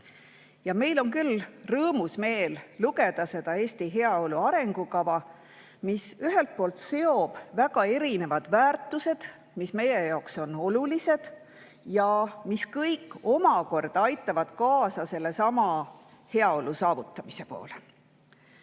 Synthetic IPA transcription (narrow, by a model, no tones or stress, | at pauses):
jɑme̞jlo̞ŋkylrɤːmusme̞ːlːuɡe̞d̪̥ɑse̞d̪̥ɑe̞ːsʲt̪iɦe̞ɑo̞luɑɾe̞ŋɡ̥ukɑvɑ | misyɦelt̪̚po̞ːlt̪se̞o̞b̥væɡ̥ɑe̞ɾine̞vɑd̪̥væːrt̪ːˑuse̞d̪̥ | misme̞jejɑokso̞no̞lulise̞d̪̥ | jɑmiskɤjkːˑo̞mɑko̞rd̪̥ɑjt̪ːˑɑvɑd̪̥kɑːsɑse̞lːe̞sɑmɑ | he̞ɑo̞lusɑːvut̪ˑːɑmise̞po̞̰ːle